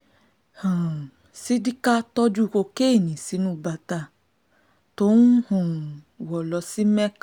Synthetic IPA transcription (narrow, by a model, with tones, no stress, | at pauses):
hã˨ | si˦di˦ka˦tɔ˦d͡ʒu˦˨ko˧ke˦˨nĩ˨si˨˦nũ˦˨ba˧˨ta˧˨ | to˨˦nu˦hɔ̃˦˨ | wɔ˨lɔ˧si˦mɛ˦k